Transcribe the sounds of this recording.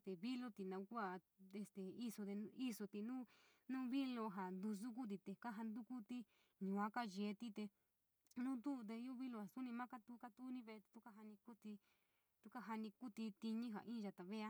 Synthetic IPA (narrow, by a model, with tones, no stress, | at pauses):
st̪e˨βi˦lo˦t̪i˨nã˧u˧ku˦a˧˨e˧st̪e˨i˦so˧d̪e˧i˦so˧t̪i˧nũː˦nũː˦βi˦lo˧ɦa˨nd̪u˧s̬u˦k̬u˦t̪̬i˧t̪e˨ka˦ɦa˧nd̪u˦ku˦t̪i˦ | ɲũ˨a˦ka˦ʒe˨˦t̪i˦t̪e˧ | nũ˦nd̪u˦˧t̪̬e˧ju˦βi˦lo˧ha˨su˦nĩ˧mã˦ka˦t̪u˦ka˦t̪u˦nĩ˧βe˧t̪i̥˧t̪u˦ka˦ɦa˧nĩ˧ku˦t̪i˧ | t̪u˧ka˦ɦa˧nĩ˧ku˦t̪i˧t̪i˧ɲĩ˦ɦa̰˨ʔĩ˦˧ʒa˧t̪a˨βe˦a˦